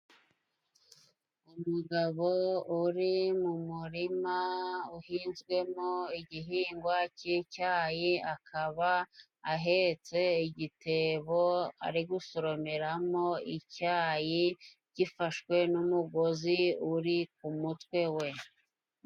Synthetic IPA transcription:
umuɡaβouɾimumuɾimauhiːnzɡwe̞moiɟiɦiːŋɡwacicaːjiakʰaβaː | ɦet͡se̞iɟitʰe̞βoa̰ɾiɡuso̞ɾo̞meɾamo̞icaːji | ɟ̥ifaʃkwe̞numuɡo̞ziuɾikumutwe̞we̞

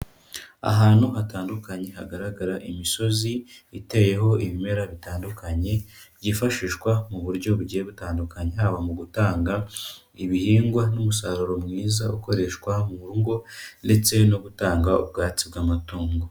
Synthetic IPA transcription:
a̰ɦaːnhuhataːndukaɲe̞haɡaɾaɡaɾaʔimiso̞ziite̞je̞ɦo̞iβime̞ɾaβitaːndukaɲe̞ | ɟifaʃiːʃwamuβuɾɟo̞βuɟijeβutaːndukaɲe̞haβamuɡutaːŋɡa | iβihiːŋɡwanumusaɾuɾo̞mŋiːzauko̞ɾe̞ʃkwamuβuɾuŋɡo̞nde̞t͡se̞no̞ɡutaːŋɡaṵb̚ɡaːt͡sibɡaːmatuːŋɡo̞

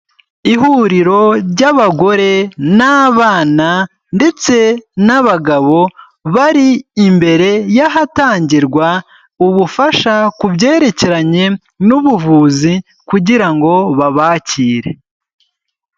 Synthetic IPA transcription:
iɦuːɾiɾo̞ɾɟaβaɡo̞ɾe̞naːβaːna | nde̞t͡se̞naβaɡaβo̞ | βaɾiːmbe̞ɾe̞jaɦataːɲɟiɾɡwa | uβufaʃakubɟe̞ːɾe̞ce̞ɾaɲe̞ | nuβuvuːzi | kuɟiɾaŋɡo̞βaβaːciːɾe̞̰

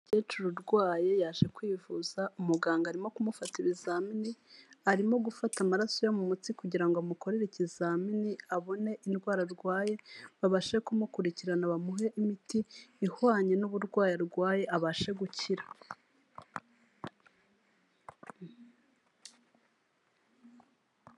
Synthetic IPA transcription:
ɟeːt͡ʃuɾuɾɡwaːje̞jaːʒe̞kwiːvuz̥aumuɡaːŋɡaɾimo̞kumufatiβizaːminiaɾimo̞ɡufatamaɾaso̞jomumutikuɟiɾaŋɡoamuko̞ɾeɾecizaminiaβo̞ne̞ʔinɡwaːɾaɾɡwaːje̞βaβaʃe̞kumukuɾiciɾanaβamuɦe̞ʔimitiːhwaːɲe̞nuβuɾɡwaːjiɾɡwaːje̞ʔaβaʃe̞ɡuciɾḁ

